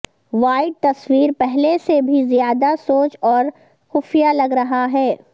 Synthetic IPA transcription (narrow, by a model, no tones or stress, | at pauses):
ʋaːɪɖ̚t̪ɐswiːɾpɛɦlesebʱizjaːd̪asoːt͡ʃɔːɾ | xʊfijalɐɡɾɐɦaɦɛː